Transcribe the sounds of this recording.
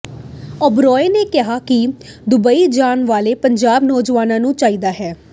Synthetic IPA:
ɔbɾɔːeːneːkɪɦaːkɪd̪ʊbəiːd͡ʒaːnʋaːleːpəɲd͡ʒaːbnɔːd͡ʒʋaːnãːnũːt͡ʃaːiːd̪aːɦɛː

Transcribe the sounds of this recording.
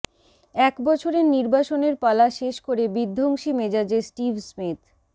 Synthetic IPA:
ɛkbɔt͡ɕʰoɾeɾniɾbaʃoneɾpalaʃeʃkoɾebid̪ʱːoŋʃimed͡ʑad͡ʑesʈibsmit̪ʰ

